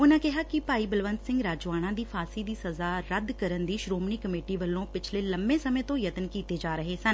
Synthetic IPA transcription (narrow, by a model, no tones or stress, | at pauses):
ʊnãːkɪɦaːkɪpaːiːbəlʋənt̪sɪ̃ŋɡɾaːd͡ʒaːɽ̃ãːd̪iːpʰaːsiːd̪iːsəzaːɾəd̪kəɾənd̪iːʃɾoːmniːkəmeːʈiːʋəlːõːpɪt͡ʃʰleːləmbẽːsəmẽːt̪õːjət̪ənkiːt̪eːd͡ʒaːɾəɦeːsən